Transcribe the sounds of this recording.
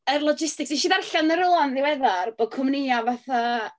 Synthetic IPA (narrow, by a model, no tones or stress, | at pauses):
ərlˠɔd͡ʒɪstɪksd̥iʃiːðarɬanəɾʊanðɪwɛðarb̥oːd̚kʰɔmnɪjavaθa